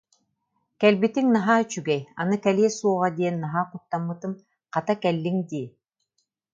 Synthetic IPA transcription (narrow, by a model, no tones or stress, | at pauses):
kɛlbit̪iŋnaɦaːt͡ɕyɡɛja̰nɯkɛliɛsuɔʁad̪iɛnːaɦaːqut̪ːamːɯt̪ɯm | qat̪akɛlːiŋd̪iː